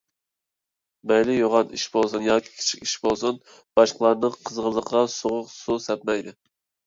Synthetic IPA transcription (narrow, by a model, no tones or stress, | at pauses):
mɛjlɪjoʁɑniʃbolˠsunjɑːkʲʰi̥kʲʰi̥t͡ʃʰi̥kʲiʃbolˠsun | b̥ɑʃqlˠɑɾnɨŋqʰəzʁəlˠəqʰɑsoʁʊqsusɛp̚mɛjd̪ɪ